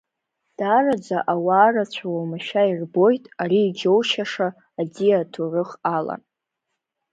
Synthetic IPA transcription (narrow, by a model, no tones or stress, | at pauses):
d̥arad͡zaʔawaːrat͡ɕʷʰawamaʃairbo̞jtʼaɾiːd͡ʒo̞wʃaʂaː | d͡ziatʰurɨχala̰n